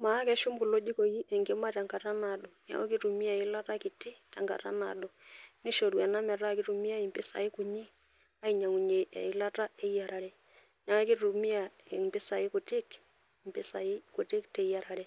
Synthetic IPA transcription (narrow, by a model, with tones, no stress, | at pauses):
ma˨˦kɛ˦ʃu˦mku˨lo˦d͡ʒi˦ko˨ji˦ʔɛ˨ŋkɪ˦ma˦ta˨ŋka˨ta˦na˨ɗɔ˨na̰˨o˦k̬i˦tu˨mi˦a˨i˦la˦ta˦ki˨tɪ˦ta̰˨ŋka̰˨ta̰˦na̰˨ɗɔ˨ni˦ʃo˨ɾwɛ˨na˦mɛ˨ɾa˦˨ki˦tu˨mi˦a˦i˨mpɪ˦sa̰˨ɪ˦ku˨ɲi˦ | a˦i˨ɲa˨ŋu˨ɲe˨ɛ̰˨i˨la˦ta˦e˦ja˨ɾa˨ɾɛ˨ | na˦o˦ki˦tu˨mi˦a˨e˨mpɪ˦sa˨ɪ˦ku˨tɪ˦k | mpɪ˦sa˨i˦ku˨tɪ˦ktɛ˨˦ja˨ɾa˨ɾɛ˦